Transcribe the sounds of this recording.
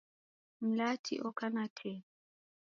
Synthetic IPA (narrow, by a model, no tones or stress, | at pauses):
m̩latʰḭʔɔkanatʰɛ